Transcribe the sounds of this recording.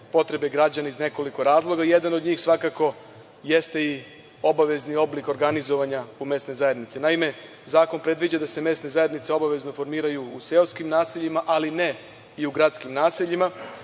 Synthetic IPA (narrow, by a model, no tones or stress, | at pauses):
po̞t̪ɾe̞beɡɾad͡ʑanaizneko̞liko̞ɾaːzlˠo̞ɡaije̞d̪anod̪ɲiːxsʋakako̞ | je̞st̪e̞i | o̞baʋe̞znio̞bliko̞ɾɡanizo̞ʋaɲaume̞st̪ne̞jzaje̞d̪nit̪sinaime̞ | zaːko̞npɾe̞d̪ʋid͡ʑad̪ase̞me̞ːst̪ne̞zaje̞d̪nit̪seo̞baʋe̞zno̞fo̞ɾmiːɾajuːse̞oskimnaːseʎimaʔaline̞ | iuɡɾat̪skimnaːseʎima